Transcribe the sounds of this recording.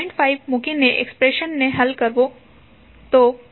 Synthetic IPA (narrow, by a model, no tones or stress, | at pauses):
ɪ̃ɳɖʈfʰaɪbmʊ̃kinːeʔḛkspɾeʃənːeɦɐlkəɾʋo | t̪o